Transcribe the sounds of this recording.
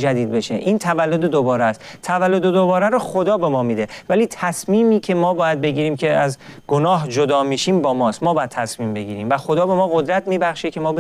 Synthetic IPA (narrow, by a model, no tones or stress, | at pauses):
d͡ʒæd̪iːd̪̚be̞ʃeʔiːnt̪ʰævælːod̪ed̪obɒːɾæst̪t̪ʰævælːod̪ed̪obɒːɾæɾɔxo̞d̪ɒːbe̞mɒːmiːd̪e̞væliːt̪ʰæsmiːmiːcʰe̞mɒːbɒːjæd̪̚be̞ɟiːɾiːmcʰe̞æzɡonɒːɦd͡ʒod̪ɒːmiːʃiːmbɒːmɒːst̪mɒːbɒːjæd̪̚t̪ʰæsmiːmbe̞ɟiːɾiːmvæxod̪ɒːbe̞mɒːɣo̞d̪ɾæt̪miːbæxʃecʰe̞mɒːb